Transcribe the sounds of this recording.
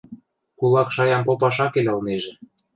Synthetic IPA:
kulˠɑkʃɑjɑmpopɑʃɑkelʲɤ̆lneʒĕ

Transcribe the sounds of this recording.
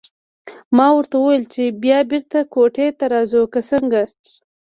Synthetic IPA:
mɑwəɾt̪awəwajlt͡ʃebjɑbɪɾt̪akoʈet̪aɾɑzukasəŋɡa

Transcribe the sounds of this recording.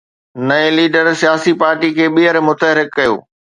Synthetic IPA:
nɐeliːɖəɾsijaːsipaːɾʈikʰeːɓiəɾmʊt̪əɦɾɪkːɐjo̰ː

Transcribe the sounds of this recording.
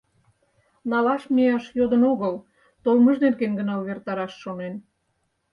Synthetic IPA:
nɑlɑʃmiɑʃjod̪ənoɣəl | t̪olməʒd̪enkenɡə̆nɑlβert̪ɑɾɑʃːonen

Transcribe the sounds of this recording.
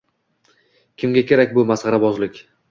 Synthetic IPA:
kʲʰɪmɡʲakʲʰe̞ɾakʲbʊmasʁɑɾabɒzlɪkʲ

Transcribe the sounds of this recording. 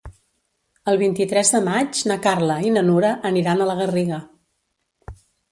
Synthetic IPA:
əlˠβ̞int̪it̪ɾɛzðəmad͡ʒnəkarləinənuɾəʔːniɾanələɣ̞əriɣə

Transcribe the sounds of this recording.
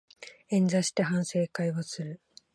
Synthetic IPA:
ẽ̞nd͡zaɕi̥t̪eɦãɰ̃se̞ːkaiβosɨɾɯ̟

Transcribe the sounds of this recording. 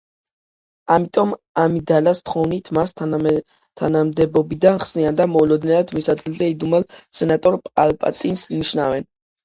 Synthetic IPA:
amit̪ʼɔm | amid̪alast̪ʰχɔvnit̪ʰmas | t̪ʰanamd̪ɛbɔbid̪anχsniand̪amɔulɔd̪nɛnad̪misad̪ɡilˠzɛid̪umɛlˠsɛnat̪ʼɔɾpʼalpʼa̰t̪ʼinsniʃnavɛn

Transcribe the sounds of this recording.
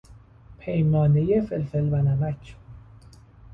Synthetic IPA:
pʰejmɒːnejefelfelvænæmæcʰ

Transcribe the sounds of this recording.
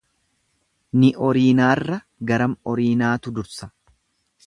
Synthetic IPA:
nɪʔɔɾiːnaːrːɐ | ɡɐɾɐmɔɾiːnaːt̪ʊd̪ʊɾsɐ̥

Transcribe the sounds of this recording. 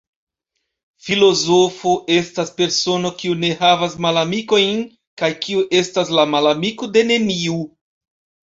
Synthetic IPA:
filo̞zo̞fo̞ʔe̞staspe̞ɾso̞no̞kiune̞ɦavasmalamiko̞jn | kajkʰiuʔe̞staslamalamikode̞ne̞miu

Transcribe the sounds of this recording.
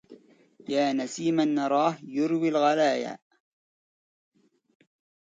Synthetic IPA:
jaːnasiːmanːɑɾˤɑːhjʊɾwilɣalaːja̰

